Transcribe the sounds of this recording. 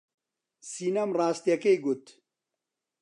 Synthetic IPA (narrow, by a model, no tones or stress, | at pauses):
siːnɐmraːst̪jɐkejɡut̪